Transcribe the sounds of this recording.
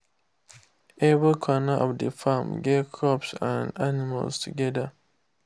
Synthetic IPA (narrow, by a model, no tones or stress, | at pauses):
ɛvikʰɔnaʔɔvdəfamɡekʰɔpsãndanima̰lztʰuɡɛda